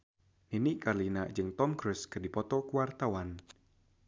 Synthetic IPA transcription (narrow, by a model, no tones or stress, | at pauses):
ninikarlinad͡ʒɨŋt̪ɔmkɾʊskɨrdipɔt̪ɔkuwart̪awan